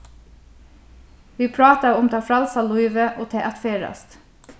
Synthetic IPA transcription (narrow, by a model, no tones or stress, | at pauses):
ʋiːpʰɽɑːt̪əʊmt̪ʰɑːfɾɑlsɑlʊiːʋəʔoːt̪ʰeːʔæt̪feːɹœ̰st̪